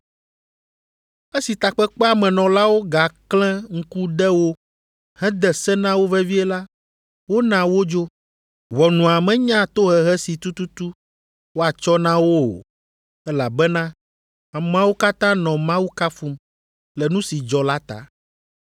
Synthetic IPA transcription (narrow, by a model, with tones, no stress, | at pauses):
e˦si˨t̪a˨k͡pɛ˦k͡pɛ˦a˨mɛ̃˨nɔ̃˨la˦wo˦ɡa˨klɛ̃˦ŋ̩˦ku˦ɖɛ˦wo˦ | hɛ̃˦d̪ɛ˨sɛ˦nã˦wo˦vɛ˦vi˦ɛ˦la˦ | wo˦nã˨wo˦d͡ʒo˦ | vɔ˨nũ˨a˨mɛ̃˨˦ɲã˦t̪o˦ɦɛ˨ɦɛ˦si˨t̪u˦t̪u˦t̪u˦ | wo˦a˨t͡ʃɔ˦nã˦wo˦o̰˨ | ɛ˦la˨bɛ˦nã˦ | a˨mã˦wo˦ka˦t̪ã˦nɔ̃˨mã˦wu˦ka˦fu˦m | lɛ˨nũ˦si˨d͡ʒɔ˨la˦t̪a̰˨